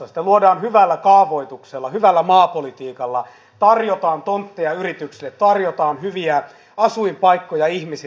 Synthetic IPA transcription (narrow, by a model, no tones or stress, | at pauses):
ɑst̪æluodɑːnhyʋælːækɑːʋoit̪ukselːɑhyʋælːæmɑːpolit̪iːkɑlːɑ̰ | t̪ɑrjot̪ɑːnt̪ont̪ːejɑyrit̪yksilːet̪t̪ɑrjot̪ɑːnhyʋiæ | ɑsuimpɑikːojɑihmis